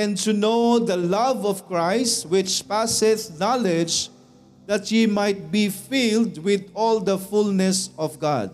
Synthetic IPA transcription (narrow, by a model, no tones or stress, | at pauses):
ɛ̃ntunoʊd̪əlʌvɔv̥kɹaɪstwɪt͡ʃpæsɪθnalɛd͡ʒ | d̪at̪himajt̪̚bifildwɪd̪ɔld̪əfulnɛsɔvɡa̰d̚